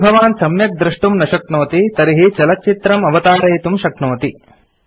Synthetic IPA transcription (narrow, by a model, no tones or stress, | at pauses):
bʱɐʋaːnsɐmjɐk̚d̪ɾiʂʈumnɐʃɐkɳoːt̪it̪ɐɾiɦit͡ʃɐlɐk̚t͡ʃit̪ɾɐmɐʋɐt̪aːɾɐjt̪umʃɐkɳoːt̪i